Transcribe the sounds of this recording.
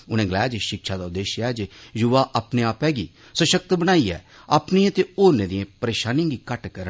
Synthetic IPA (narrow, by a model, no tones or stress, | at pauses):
ʊñẽːɡəlɛːd͡ʒʃɪkʃaːd̪aːʊd̪eːʃɛːd͡ʒejʊʋaːʔaːpneːaːpɛːɡiː | səʃək̚t̪bəñaːiːɛ̰ː | aːpniãt̪eːoːɾneːd̪ijẽːpəɾeːʃaːnĩj̃ːɡiːkəʈkəɾə